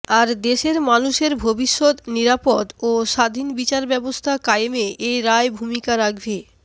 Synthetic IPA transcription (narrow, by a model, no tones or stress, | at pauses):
aɾd̪eʃeɾmanuʃeɾbʱobiʃːod̪niɾapod̪oʃad̪ʱinbit͡ɕaɾbɛbost̪ʰakajemeʔejɾaebʱumikaɾaɡʱbe